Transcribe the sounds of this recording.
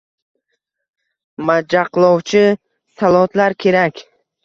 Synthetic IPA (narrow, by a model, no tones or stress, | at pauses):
mad͡ʒaqlˠɒwt͡ʃʰɪ | salˠɒt̪laɾkʲʰe̞ɾakʲ